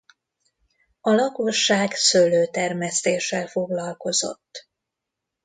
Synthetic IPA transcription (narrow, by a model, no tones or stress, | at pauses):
ɒlɒko̞ʃːaːɡsøløːt̪ɛrmɛst̪eːʃːɛlfo̞ɡlɒlko̞zo̞̰t̪ː